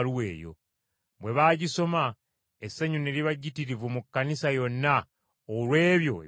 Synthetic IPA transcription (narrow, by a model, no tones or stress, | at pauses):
luwe̞ːjo̞̰ | bwe̞βaːɟiso̞ma | esːaɲune̞ɾiβaɟitiɾivumukːanisajo̞nːa | oɾwe̞ːβjo̞̰e